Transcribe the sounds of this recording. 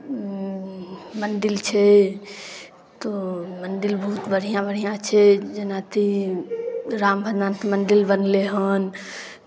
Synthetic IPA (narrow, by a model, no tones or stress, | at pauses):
məɳɖɪlt͡ʃʰɛ | t̪oməɳɖɪlbəɦut̪bəɽ̤ijãbəɽ̤ijãt͡ʃʰɛd͡ʒənat̪ʰi | ɾaːmbʱəd̪aːnt̪eməɳɖɪlbənleɦən